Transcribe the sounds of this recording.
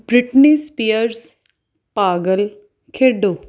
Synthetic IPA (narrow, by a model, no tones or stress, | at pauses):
bɾɪʈnispijəɾs | paːɡəl | kʰeːɖo